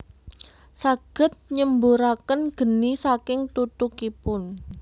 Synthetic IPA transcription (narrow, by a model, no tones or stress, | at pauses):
saɡ̥ə̤t̪̚ɲəmbuɾakənɡ̥ə̤nisakɪŋt̪ut̪ukipʊn